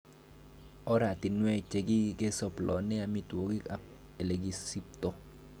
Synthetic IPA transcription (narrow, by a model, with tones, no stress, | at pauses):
ɔ˦ɾa˨t̪ɪ˨nwɛ˦t͡ʃe˨ɡi˦ɡe˦sɔ˨plɔ̰˨nɛ˦a˨mi˦two˨ɡi˦a˨ | e˨le˨ɡi˨si˦pt̪o˦